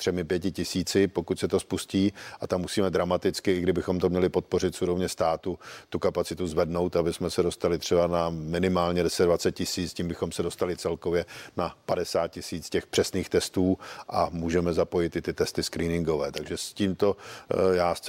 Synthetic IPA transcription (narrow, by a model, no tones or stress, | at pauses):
t̪r̥ɛmɪpjɛcɪcɪsiːt͡sɪpo̞kucʲsɛt̪o̞spusciːʔat̪amːusiːmɛd̪ɾamat̪ɪt͡skɪɪɡdɪbɪxomt̪o̞mɲɛlɪpo̞t̪̚po̞rɪt̪fsuɾo̞vɲɛst̪aːt̪ut̪ukapat͡sɪt̪uzvɛdno̞wt̪abɪsmɛsɛdo̞st̪alɪt̪r̝̥ɛbanamɪnɪmaːlɲɛdɛsɛt̪dvat͡sɛt̪̚cɪsiːt͡sciːmbɪxo̞msɛdo̞st̪alɪt͡sɛlko̞vjɛnapadɛsaːt̪̚cɪsiːt͡scɛxpr̝̥ɛsniːxt̪ɛst̪uːʔamuːʒɛmɛzapo̞jɪt̪ʔɪt̪ɪt̪ɛst̪ɪskɾiːnɪŋɡo̞vɛːt̪aɡʒɛsciːmt̪o̞jaː